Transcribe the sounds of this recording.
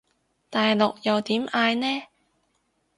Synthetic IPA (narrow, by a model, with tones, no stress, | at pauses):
t̪aː˨jlʊ˨k̚jɐ˨wt̪iː˨˥mʔaː˧jnɛː˥